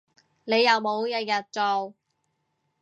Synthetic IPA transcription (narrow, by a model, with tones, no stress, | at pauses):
ne˨˧jːɐ˨wmo˨˧wjɐ˨˧t̚jɐ˨t̚t͡so˨w